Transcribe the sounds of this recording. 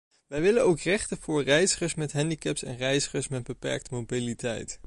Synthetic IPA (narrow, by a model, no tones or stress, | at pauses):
ʋɛjʋɪlənowkrɛχtəvʊːɹrɛjzəχəɹsmɛtɦɛndikɛpsɛ̰nrɛjzəχəɹsmɛd̚bəpɛ̰ɹk̚təmobilitɛ̰jt